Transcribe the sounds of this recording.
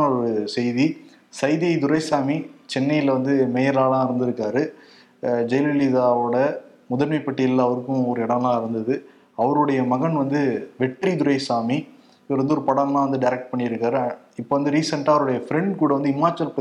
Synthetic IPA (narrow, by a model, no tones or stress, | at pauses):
ɔɾɯsɛjði | sɐɪðɪjɐɪd̪ʊɾɐɪsaːmit͡ʃɛnːɐjɪlʋɐnd̪ɯmɛjɐɾlaːlãːɪɾɯnd̪ɪɾɯkːaːɾɯ | d͡ʒɛjlɪlɪðaːoːɽɐ | mʊðɐɾmɪpːɐʈːɪjɪlːaːʋɐɾɯkːʊ̃ɔɾɯɛɽɐ̃mlãːɪɾɯnd̪ɐðɯ | ɐʋɐɾɯɽɐjɐmɐɣɐɳʋɐnd̪ɯʋɛʈːɾid̪ʊɾɐɪsaːmi | pɾɛnd̪ɯɔɾɯpɐɽɐmlãːʋɐnd̪ɯɖɐɪɾɐk̚ʈ̚pɐɳːɪɾɯkːaːɾ | ɪpːoːʋɐnd̪ɯɾiːsɐɳʈaːʋɐɾɯɽɐjɐfɾɛɳɖkuːɽɐʋɐnd̪ɯɪmːaːt͡ʃːɐlp